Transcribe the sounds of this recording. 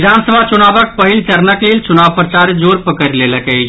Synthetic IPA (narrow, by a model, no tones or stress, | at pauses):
d͡ʒ̪ʱansəbʱat͡ʃunabək̚pəɦilt͡ʃəɾnəklelt͡ʃunaʋpɾət͡ʃaɾd͡ʒoɾpəkəɾleləkɛ